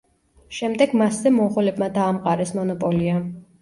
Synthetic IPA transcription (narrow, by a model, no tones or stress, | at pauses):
ʃɛmd̪ɛɡmaszɛmɔχɔlɛbmad̪aːmqʼaɾɛsmɔnɔpʼɔlia